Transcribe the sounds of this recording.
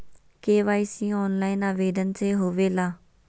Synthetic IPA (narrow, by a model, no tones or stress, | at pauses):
keːʋaːisĩːɔːnlaːɪnaːʋeːɖ̪ənseːɦoːʋeːlaː